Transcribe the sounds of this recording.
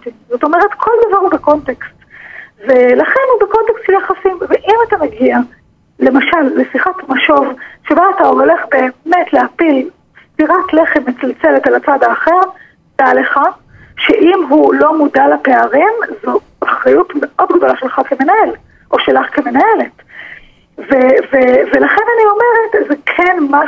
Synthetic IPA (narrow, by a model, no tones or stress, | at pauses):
tizo̞t̪o̞meʁetkʰo̞ld̪avaʁubeko̞ntekstvelaχe̞nhubeko̞ntekstʃeljaχasimveʔimatameɡia | le̞maʃalːesiχatmaʃo̞vʃebaːtaoɦole̞χbe̞ːmetleapil | sfiʁatle̞χemet͡salt͡seletalat͡sad̪aːχe̞ʁ | b̥aaleχa | ʃeʔimɦulo̞mudalapeaʁimzu | aχajutmeʔo̞dɡdo̞laʃelχakeme̞nae̞l | ʔo̞ʃelaχkemenae̞let | vevevelaχenanio̞meʁetzekʰenma